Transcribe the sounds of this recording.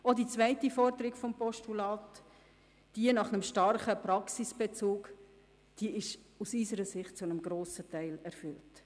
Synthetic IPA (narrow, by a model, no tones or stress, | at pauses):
odit͡svæɪtifɔɾdəɾɪɡfɔmpɔʃtulɑːt | d̥iənɑχnəmʃtɑɾχəpɾɑksisb̥et͡suːk | d̥iɪʃ | usysəɾəsɪχt̚t͡sunəmɡɾoːsətæɪlɛɾfʏlt